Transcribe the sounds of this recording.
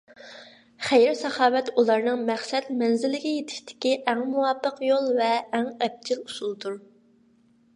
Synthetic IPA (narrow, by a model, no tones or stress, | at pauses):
χejɾsɑχɑːwɛt̪ulˠɑɾnɨŋmæχsɛt̪mɛnzɪlːɪɡʲɛjet̪ʰɪ̥ʃt̪ʰɪ̥kʲiʔɛŋmuwɑpːəqjolˠvɛːŋɛb̚d͡ʒʰilusulˠd̪uɾ